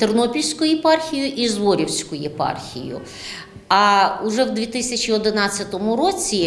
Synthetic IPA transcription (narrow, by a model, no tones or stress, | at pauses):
t̪ernɔpʲilʲsʲkʊjɛpɑrxʲijʊʔizʋɔɾʲiwsʲkʊjɛpɑ̰rxʲḭjʊ̰ | ɐʊʒɛwd̪ʲʋʲit̪ɪsʲɐt͡ʃʲiɔd̪ɪnɑt͡sʲːɐt̪ɔmʊɾɔt͡sʲi